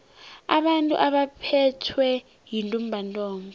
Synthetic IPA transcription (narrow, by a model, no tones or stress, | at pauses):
aɓantʼṵʔaɓapʰɛtʰwɛ | jintʼumbʱantʼɔːŋɔ